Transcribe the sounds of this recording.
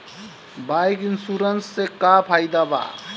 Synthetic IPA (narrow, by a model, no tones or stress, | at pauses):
bajkinsuɾənsːekapʰajd̪aba̰